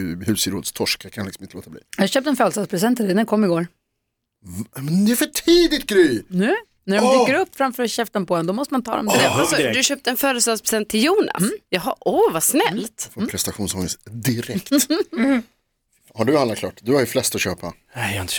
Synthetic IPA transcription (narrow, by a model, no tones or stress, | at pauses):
hʉːsɪɾoːd̪st̪ʰɔʂkakʰanlɪksɔmɪnt̪əloːt̪ablḭːjaːɕøːp̚t̪ɛnfœːlst̪ɑd̪spʰɾɛs̬ɛnt̪ʰːd̪ɛnækʰɔmːɪɡoːɾ | mɛnd̪ɛæfœʈʰiːd̪ɪt̪̚ɡɾyːnʉ̟ː | næɖɔmb̪yːkəɾɵpːfɾamfœɾɔɕɛft̪ɔmpʰɔd̪ɛnd̪ɔmɔst̪əmant̪ʰɑ̰ːd̪ɔ̰msɔd̪ɵaɕøːp̚t̪əɛnfœːɾəst̪ɑːspʰɾɛsɛnt̪ʰːɪljuːnʔa̰sjɑɦɑʔɔvasnɛlːt̪fpʰɾɛst̪aɧuːnsɔŋəst̪d̪ɪɾɛkt̪ | haɖɵanlatkʰlɑ̰ːʈːd̪ɵaɾjflɛst̪ɔɕøːpa̰nɛaːɪnt̪ə